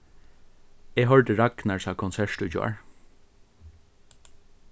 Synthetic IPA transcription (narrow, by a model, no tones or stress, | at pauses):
eːɦœɹɖəɹɑknɑɹsɑːkʰʊnsæʃʈʉːd͡ʒo̰ːɹ